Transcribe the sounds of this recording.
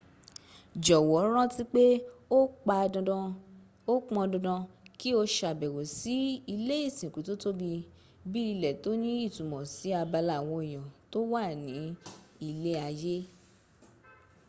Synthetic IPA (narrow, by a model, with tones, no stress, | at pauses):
d͡ʒɔ˨wɔ˨˦ɾ̃ã˦ti˦k͡pe˦o˦k͡pa˧dɔ̃˧dɔ̃˧ | o˦k͡pɔ̃˧dɔ̃˧dã˧ki˦o˧ʃa˨bɛ˨wo˨si˨˦i˧le˦i˦˨sĩ˨ku˨˦to˦to˦bi˧ | bi˦i˧lɛ˨to˨˦nĩ˦i˦˨tũ˨mɔ̃˨si˨˦a˧ba˧la˨w̃ɔ̃˧i˨jɔ̃˨to˦wa˦˨nĩ˨˦i˧le˦a˧je˦